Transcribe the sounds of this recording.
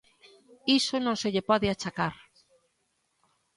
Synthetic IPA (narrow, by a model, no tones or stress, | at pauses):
isonõŋseʎepɔðɪat͡ʃakaɾ